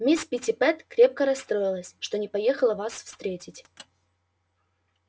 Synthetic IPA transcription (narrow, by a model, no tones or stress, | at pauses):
mʲispʲɪtʲɪpɛt̪kɾʲe̞p̚kəɾɐst̪ɾo̞jɪlˠəsʲʂt̪o̞nʲɪpɐjexəlˠəvasfst̪ɾʲetʲɪtʲ